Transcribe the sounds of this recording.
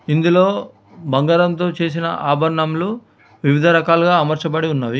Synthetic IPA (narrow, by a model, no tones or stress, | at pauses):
ind̪ulo̞ː | bɐŋɡaːɾɐnt̪o̞ːt͡ʃe̞ːs̬inɐ̰ʔaːbʱɐɾɳɐmlu | ʋiʋid̪ʱɐɾɐkaːlɡaːmɐɾt͡ʃɐpɐɽiunːaːʋi